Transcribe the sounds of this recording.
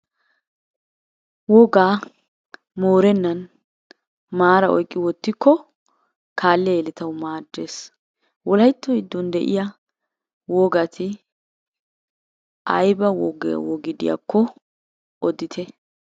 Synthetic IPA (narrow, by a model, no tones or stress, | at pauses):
wɔɡaː | moːɾɛnːɐn | maːɾɐʔɔjkʼːɪwɔt̪ːɪkːɔ | kʰaːlːɛeːlɪt̪ɐwmaːd̪ːeːs | wɔlɐjt̪ːɔɪd̪ːʊnd̪ɛʔɪ̰ja | wɔɡɐt̪ʰɪ | ɐjbɐwɔɡ̰wɔɡɪd̪ɪ̰ja̰kːɔ | ɔd̪ɪt̪ʰɛ